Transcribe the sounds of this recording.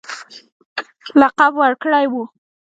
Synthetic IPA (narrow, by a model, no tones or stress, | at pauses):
laqabwaɽkɽajwu